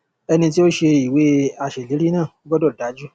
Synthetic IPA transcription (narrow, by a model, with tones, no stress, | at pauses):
ɛ˧nĩ˧ti˦o˦ʃe˧i˨we˨˦a˧˨ʃe˨li˨˦ɾi˦nãː˦˨o˦ɡɔ˦dɔ˦˨da˨˦d͡ʒu˦